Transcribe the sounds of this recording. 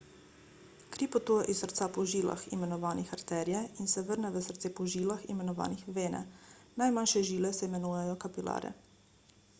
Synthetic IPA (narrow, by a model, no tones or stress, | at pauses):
kɾipɔt̪uːjɛʔissəɾt̪sapɔʒiːla̰xḭmɛnɔʋaːnixaɾt̪ɛːɾjɛinsɛʋəɾnɛʋəsəɾt̪sepɔʒiːlaxḭmɛnɔʋa̰ːnixʋeːnɛ̰najmanʃɛʒiːlɛsɛimɛnuːjɛjɔkapilʔa̰ːɾɛ̰